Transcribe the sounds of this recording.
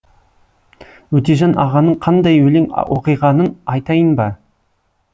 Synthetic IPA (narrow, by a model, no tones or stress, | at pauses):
wɵt̪eʒɑnʔɑʁɑnəɴqʰɑnd̪ɑjwɵleŋwʔoqɨjʁɑnənɑjt̪ɑjənbɑ